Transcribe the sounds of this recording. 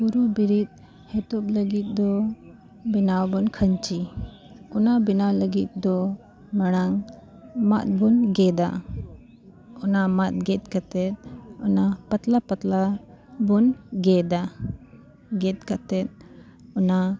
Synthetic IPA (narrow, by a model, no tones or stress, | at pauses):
kuɾubiɾit̪̚ | hɛt̪ɔp̚ləɡit̪̚d̪ɔ | binawbɔnkʰənt͡ʃi | unabinawləɡit̪̚d̪ɔ | maɽ̃aŋ | ma̰t̪̚bɔnɡɛd̪a | ɔnamat̪̚ɡɛt̪̚kat̪ɛt̪̚ɔnapat̪lapat̪labɔnɡɛd̪a | ɡɛt̪̚kat̪ɛt̪̚ | ɔna